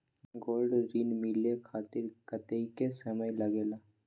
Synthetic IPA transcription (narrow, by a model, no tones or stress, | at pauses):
ɡoːlɖɾiːnmɪlekʰaːt̪ɪɾkət̪eikesɐməjlɐɡeːlaː